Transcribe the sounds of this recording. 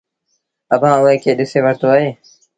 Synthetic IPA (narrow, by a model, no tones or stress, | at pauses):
əbʱãːʊẽːkeːɗɪseːʋəɾt̪oːaːɦeː